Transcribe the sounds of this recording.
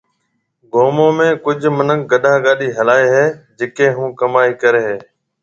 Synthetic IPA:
ɡoːmoːmẽːkʊd͡ʒʱmənək̚ɡəɗʱãːɠaːɗiːɦəlaːeːɦeːd͡ʒɪkẽːɦũːkəmaːiːkəɾeːɦeː

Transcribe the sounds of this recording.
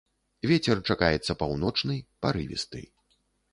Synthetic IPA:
vʲɛt͡sʲɛrt͡ʂakajɛt̪sːɐpawnɔt͡ʂnɨjpaɾɨ̰vʲḭst̪ɨ̰j

